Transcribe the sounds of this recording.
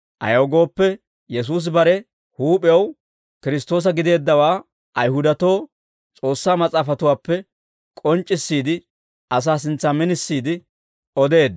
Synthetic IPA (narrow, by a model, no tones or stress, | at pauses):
ʔɐ̰joːɡo̞ːpːɛ | jɛs̬uːs̬bɐɾɛ | huːpʼɪjɐw | kɪɾɪs̬t̪o̞ːs̬ɐɡɪd̪e̞ːd̪ːɐwaː | ʔɐjɦʊd̪ɐt̪o̞ː | t͡sʼo̞ːsːaːmɐt͡sʼaːfɐt̪ʊwaːpːɛ | kʼɔnt͡ʃʼːɪsːiːd̪ɪ | ʔɐs̬aːs̬ɪnt͡sːaːmɪnɪsːiːd̪ɪ | ɔd̪e̞ːd̪